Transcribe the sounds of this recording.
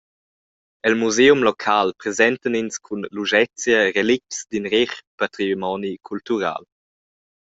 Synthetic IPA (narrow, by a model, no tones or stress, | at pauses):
ɛlmuzeːumlɔkʰalpɾezɛntəninskʰunluʒɛt͡sjəɾeliksd̪inɾeχpat̪ɾimɔnikʰultuɾa̰l